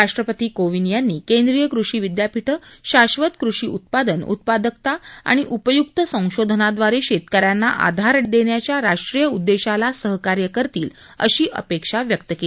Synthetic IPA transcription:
ɾaʂʈɾəpət̪iːkoʋinjanːiːkend̪ɾijəkɾuʂiːʋid̪japiʈʰəɕaɕʋət̪kɾuʂiːṵt̪̚pad̪ənṵt̪̚pad̪ək̚t̪aa̰ɽ̃iʔupəjuk̚t̪əsə̃w̃ɕod̪ʱənad̪ʋaɾeɕet̪kəɾjanːaʔa̰d̪ʱaɾəʈd̪eɳjat͡ɕjaɾaʂʈɾijəud̪ːeɕalasəɦkaɾjəkəɾt̪iːl | ə̰ɕiːʔə̰pekʂaʋjək̚t̪əke

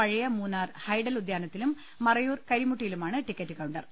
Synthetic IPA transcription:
ɐɻijɐmuːnːaːrhɐjɖɐlud̪jaːnɐt̪ːilumː | ɐrɐjuːrkɐɾimuʈːijilumaːɳɨʈikːɐtːɨkɐwuɳɖɐr

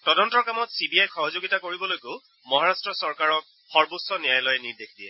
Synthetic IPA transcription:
tɔdɔntɔɹkamɔtsibiajxɔɦɔzoɡitakoɹibɔlojkeʊ | mɔɦaɹastɹɔsɔɹkaɹɔk̚ | xɔɹbutsɔnijajlɔjɛniɹdekʰdiɛ

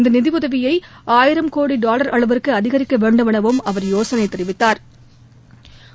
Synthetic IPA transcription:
ɪnd̪ɐnɪðɪʋɯðɐʋɪjɐɪ | aːjɪɾɐmkoːɽiɖaːlɐɾɐɭɐʋɪɾkːɯɐðɪɣɐɾɪkːɐʋeːɳɖɯmɪɳɐʋɯmɐʋɐɾjoːsɐnɐɪt̪ːɪɾɪʋɪt̪ːaːɾ

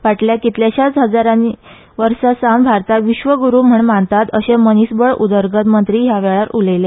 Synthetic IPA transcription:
ʋaʈljakit̪ljaɕat͡sɦəd͡zaɾani | ʋəɾsasambʱaɾt̪aʋiɕʋəɡuɾuːm̤əɳmant̪at̪əɕemənisbəɭud̪əɾɡət̪mənt̪ɾiːɦjaʋɛɭaɾuləjle

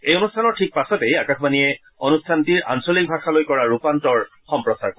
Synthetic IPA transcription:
ejonustʰanɔɹtʰik̚pasɔtejakaxbanijɛ | onustʰantiɹa̰nsolik̚bʱaxalojkɔɹaɹupantɔɹ | xɔmpɹɔsa̰ɹk

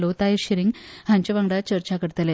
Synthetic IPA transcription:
lot̪aeɕiɾiŋɡhãɲt͡ɕəʋaŋɖat͡ɕəɾt͡ɕakəɽt̪əle

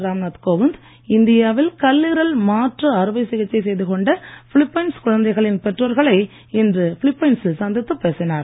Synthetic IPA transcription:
ɾaːmnaːt̪koːʋɪnd̪ | ɪnd̪ɪjaːʋɪlkɐlːiɾɐlmaːʈrɯɐɾɯʋɐɪsɪɣɐt͡ʃːɐɪsɛjðɯkɔɳɖɐfɪɭɪpːɐjɪnskʊɻɐnd̪ɐɪɣɐɭɪnpɛʈrɐɾɣɐɭɐɪ | ɪndrɯfɪɭɪpːɐjɪnsɪlsɐnd̪ɪt̪ːɯpːeːsɪnaːɾ

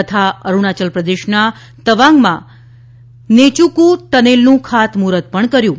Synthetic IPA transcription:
ət̪ʰaəɾuɳ̃at͡ʃəlpɾəd̪eʃna | t̪əʋaŋɡmã | net͡ʃukut̪ənelnũkʰat̪muɾət̪̚pəɳkəɾjũ

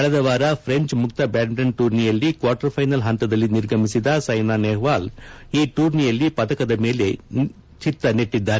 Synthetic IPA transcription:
ɐɭɐd̪ɐʋaːɾɐpʰɾeɲt͡ʃmuk̚t̪ɐbaːɳɾɐnʈuːɾnijɐlːikʋaːʈɐɾpʰɐjnɐlɦɐnt̪ɐd̪ɐlːiniɾɡʱɐmisid̪ɐsɐjnaːneːɦʋaːliːʈuːɾnijɐlːipɐd̪ɐkɐd̪ɐmeːle̞ | t͡ʃit̪ːɐneʈːid̪ːaːɾe

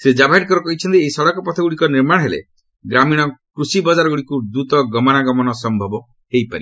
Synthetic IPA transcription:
sed͡ʒabʱaɦeʈ̚kɔɾɔkɔɦit͡ʃʰɔnt̪ieisɔɽɔkɔpɔt̪ʰɔɡuɽikɔniɾmaɽ̃ɦelḛ | ɡɾamiɽ̃ɔkɾusibɔd͡ʒaɾɔɡuɽikud̪ut̪ɔɡɔmɔnaɡɔmɔnɔsɔmbʱɔbɔ | hejpaɾi

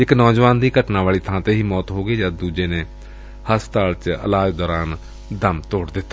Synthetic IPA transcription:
ɪknɔːd͡ʒʋaːnd̪iːkəʈnaːʋaːɭiːt̪ʰãːt̪eːɦiːmɔːt̪ɦoːɡeːd͡ʒaːd̪uːd͡ʒeːneː | həst̪aːlt͡ʃə̰laːd͡ʒd̪ɔːɾaːn | d̪əmt̪oːɽd̪ɪt̪ːaː

